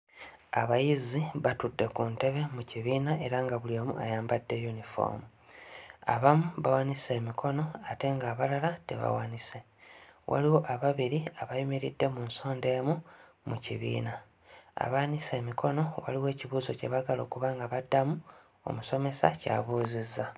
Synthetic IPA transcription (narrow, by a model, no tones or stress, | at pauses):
a̰βajiziβatudːe̞kunte̞βe̞muciβiːnae̞ɾaŋɡaβuliomṵʔa̰jaːmbadːe̞junifo̰mu | a̰βamuβawanise̞ːmikʰo̞no̞ate̞ːŋɡaːβalalate̞̰βa̰wanise̞ | wʔa̰liwo̞ʔaβaβiɾiaβajumiɾidːe̞muːnso̞ːnde̞ːmu | mucḭβḭːna | a̰βanise̞ːmikʰo̞no̞wa̰liwe̞ːciβuːzoce̞βaɡalo̞̰ːkuβaːŋɡaβadːamu | o̞̰muso̞me̞saca̰βuːzizːa